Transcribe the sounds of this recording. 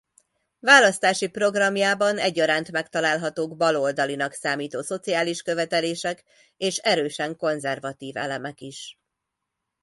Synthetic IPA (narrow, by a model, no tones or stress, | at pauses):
vaːlɒst̪aːʃipro̞ɡrɒmjaːbɒnɛɟːɒɾaːnt̪mɛkt̪ɒlaːlɦɒt̪oːɡbɒlo̞ld̪ɒlinɒksaːmiːt̪oːso̞t̪sijaːliʃkø̞vɛt̪ɛleːʃɛk | eːʃɛɾøːʃɛŋko̞nzɛrvɒt̪iːvɛ̰lɛmɛkiʃ